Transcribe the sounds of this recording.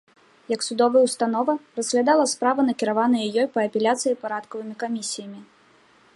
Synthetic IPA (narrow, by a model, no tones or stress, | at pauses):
jɐksud̪ɔvɐjwst̪anɔvɐrɐz̥ɣlʲad̪alˠɐspɾavɐnɐkʲiɾavanɐjjɔjpɐːpʲɛlʲat̪sɨjipaɾat̪kɐvɨmʲikamʲisʲijɐmʲi